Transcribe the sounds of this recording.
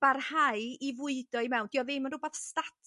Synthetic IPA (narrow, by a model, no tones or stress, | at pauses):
b̥arhajivʊɨdɔimɛwnd̥iɔvɪmənrubaːθstatʰ